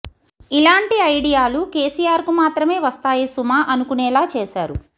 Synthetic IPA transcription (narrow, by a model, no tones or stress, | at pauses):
ilaːɳʈiɐjɽijaːlukeːsijaːɾkumaːt̪ɾɐme̞ːʋɐst̪aːjisumaːʔɐnukunɛːlaːt͡ʃeːʃaːɾu